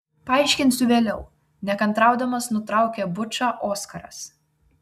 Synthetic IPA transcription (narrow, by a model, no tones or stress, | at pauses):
pɐɑˑɪʃʲkʲɪnʲsʲʊʋʲeːlʲɛʊ | nʲɛkɐnˑt̪ɾɑˑʊd̪ɐmɐsnʊt̪ɾɑˑʊkʲɛbʊt͡ʃɑːʔoːskɐɾɐ̰s